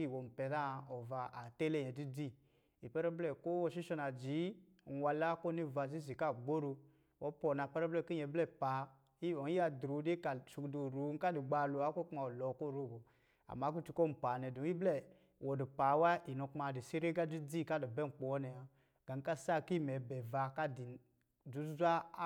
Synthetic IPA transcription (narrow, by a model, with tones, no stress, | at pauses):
i˦˨wɔ˨m̩˨pɛ˨da˦˨ɔ˨va˧˨a˨tɛ˦lɛ˦˨jɛ˨di˦d͡zi˦˨ | i˨pɛ˦ɾɛ˦blɛ˦˨ko˦ɔ˧ʃi˦ʃɔ˧na˨d͡ʒi˨˦˨ | wa˧la˦ko˦ni˦˨va˧˨z̬i˦zi˨ka˦˨ɡ͡bo˦ɾo˧ | wɔ˨˦pɔ˨na˨pɛ˦ɾɛ˦blɛ˦˨ki˦˨ɛ˨blɛ˦˨pa˨˦ | i˦ɔ˨˦i˦a˧dɾu˨˦de˦ka˨ʃu˧kdu˨ɾu˨˦ŋ˦ka˦du˨ɡ͡ba˧˨lu˧˨a˨˦ko˦ka˨lɔ˨˦ko˦˨ɾo˦˨bo˨ | a̰˨ma˨˦k̬u˦ti˧ko˦m̩˨pa˨nɛ˨du˨˦i˦blɛ˦˨ | wɔ˨du˨pa˨˦wa˦i˨no˧kma˨di˨si˦ɾe˦ɡa˦d͡ʒu˦d͡zi˦˨ka˦˨du˨bɛ˦˨k͡pɔ˨˦nɛ˨a˨ | ɡ̥a˨˦ka˦sa˦˨ki˦˨mɛ˨bɛ˨va˧ka˦di˨ | d͡ʒu˨˦zʷa˦